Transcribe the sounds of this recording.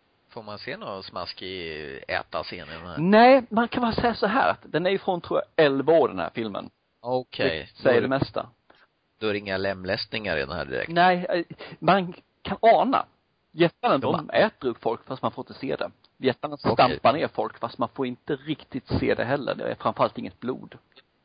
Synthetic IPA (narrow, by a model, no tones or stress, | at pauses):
foːɾmanseːnoːɾasma̰skɪɛ̰ːt̪aseːnɪd̪ɛnhæ̰nɛːɪmankʰanbɑːɾasɛjːasɔɦæ̰ːɾa̰t̪d̪ɛnæɾjʏfɾɔnt̪ʰɾuːjaɛlvoːɾɖɛnhæ̰ːɾfɪlmə̰n | ɔkʰɛjsɛjːədɛmɛst̪a̰ | d̪̥ɔæɾɛɪŋːalɛmːlɛsnɪŋaɾɪ̰d̪ɛ̰næ̰ːɖɪ̰ɾɛ̰k̚nɛːman | kʰanɑːna̰ | jɛt̪ːanənd̪ɔmɛːt̪əɾɵpːfɔlkːfast̪manfoːɾɪnt̪əsḛːd̪ɛ̰ | jjɛt̪ːanəst̪apaneːɾfɔlkfast̪manfoːɾɪnt̪əɾɪkt̪ɪt̪seːd̪ɛ̰ɦɛlːə̰ɖɛ̰æ̰ɾfɾanfœɾalt̪ɪŋːət̪̚blṵːd̪